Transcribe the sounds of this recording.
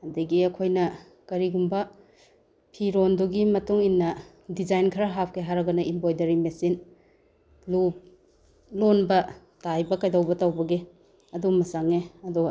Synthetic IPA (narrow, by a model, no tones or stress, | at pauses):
ɐdɐɡiɐkʰojnɐ | kɐɾiɡumbɐ | pʰiɾonduɡimɐtuŋinːɐ | dizajnkʰɐɾaɦap̚ʰkeɦaɾɐɡɐnɐimbojdɐɾimesin | lup̚ | lonbɐ | tajbɐkajdawbɐtawbɐɡe | ɐdumɐsaŋeɐdu